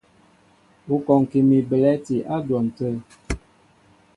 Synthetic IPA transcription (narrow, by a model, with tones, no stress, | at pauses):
u˦kɔ˨ŋ˨ki˨mi˨bə˨lɛ˦ti˨ʔa˦dwɔ˨n̩˨tə˦